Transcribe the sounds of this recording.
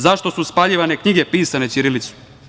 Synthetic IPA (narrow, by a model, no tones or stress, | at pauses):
zaʃt̪o̞suspaʎiʋane̞kɲiɡe̞piːsanet͡ʃ̪iɾilit̪su̥